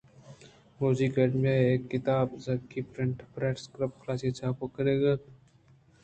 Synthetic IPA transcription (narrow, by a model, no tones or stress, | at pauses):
moːziːkəɖmeeːkːɪt̪aːbzɐɡkipɾɪ̃ɳʈpɾɛːʈskɾəp̚kʰlaːset͡ʃʰaːpokəɾeːɡat̪